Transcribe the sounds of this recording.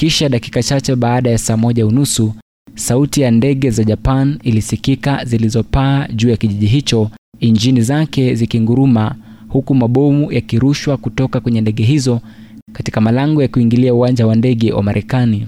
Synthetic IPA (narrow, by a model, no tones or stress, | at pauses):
kiʃaɗaki̥kat͡ʃat͡ʃɛɓaːɗajasaːmɔʄaunusu | sautijandɛɠɛzaʄapanilisikikazilizɔpaːʄuːjakiʄiʄiɦit͡ʃɔ | iɲd͡ʒinizakɛzikiŋɡuɾuma | hukumaɓɔmujakiɾuʃwakutɔkakwɛɲɛndɛɠɛɦizɔ | katikamalaŋɡɔjakuiŋɡiliauwand͡ʒawandɛɠɛwʔa̰maɾʔɛkani